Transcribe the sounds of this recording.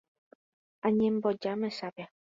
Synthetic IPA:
aɲɛm̩bɔd͡ʒamɛsapja

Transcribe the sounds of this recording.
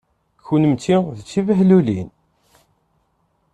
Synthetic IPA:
çunəmt̪iðt͡sːivəɦlulin

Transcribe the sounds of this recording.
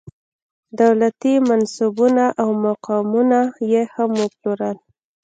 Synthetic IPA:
d̪awlat̪imansubunaʔawmaqɑmunajehamʊploɾəl

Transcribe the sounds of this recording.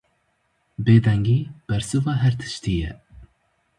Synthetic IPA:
beːd̪ɛŋɡiːb̥ɛɾsɨvɑːɦɛɾt̪ʰɨ̥ʃt̪iːjɛ̰

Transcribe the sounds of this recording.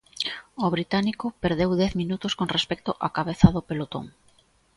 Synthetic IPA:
oβɾit̪anikopeɾðewðɛθminut̪oskonrespɛk̚t̪ʊʔakaβeθaðopelot̪o̰ŋ

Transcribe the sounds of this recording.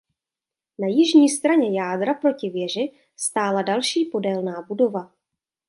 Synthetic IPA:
najɪʒɲiːst̪ɾaɲɛjaːdɾapɾo̞cɪvjɛr̝ɪ | st̪aːladalʃiːpo̞dɛlnaːbudo̞va

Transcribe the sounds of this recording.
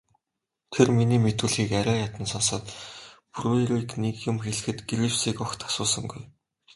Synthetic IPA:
t̪ʰerminiːmet̪wŭːɮɣiːkæɾʲæːjat̪ə̆nsɔnsə̆t̪pʰrueɾiknekjʊmxeɮɘ̆xɘ̆t̪ɡiɾipsiːkɔxt̪ʰḁsʊːsə̆ŋɡuj

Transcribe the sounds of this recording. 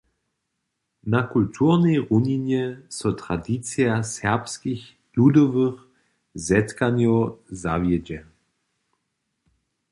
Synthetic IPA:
nakult̪ʰuʁnɛjʁuɲiɲjɛsɔt̪ʁadit͡siasɛʁpskix | ludɔvɨx | zɛtkaɲjɔwza̰vjɛd͡ʑɛ

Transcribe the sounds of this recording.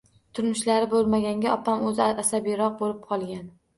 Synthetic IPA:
t̪ʰʊɾmʊʃlaɾɪbolˠmaɡʲaŋɡʲaʔɒpʰamɵzɪasabijɾɒq̚bolɪp̚qʰɒlˠɡʲan

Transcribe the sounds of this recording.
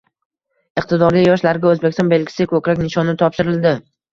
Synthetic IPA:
ɨq̚t̪ʰɪd̪ɒɾijɒʃlaɾɪɡʲaozbekʲst̪ɒnbe̞lɡʲɪ̥sɪkʰɵkʲɾakʲnɪʃɒnɪt̪ʰɒpʃɪɾɪld̪ɪ

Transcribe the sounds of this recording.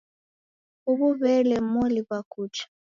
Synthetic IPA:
uβuβɛlɛmolibakut͡ʃḁ

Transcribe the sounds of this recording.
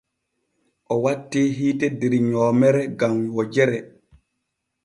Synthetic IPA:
ʔɔwatːeːɦiːtɛdeɾiɲɔːmɛɾɛɡamwɔd͡ʒɛɾɛ

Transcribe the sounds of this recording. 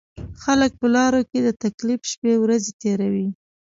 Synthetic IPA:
xalək̚pəlɑɾoked̪ət̪aklifʃpewɾazet̪eɾawi

